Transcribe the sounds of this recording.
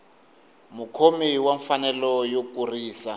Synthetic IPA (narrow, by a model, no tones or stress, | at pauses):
mukʰomiwaɱfanɛlɔjokuriːsa